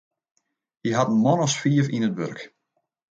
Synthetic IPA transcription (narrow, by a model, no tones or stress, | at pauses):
jəɦatən̩mɔnɔsfiəfinətʋørk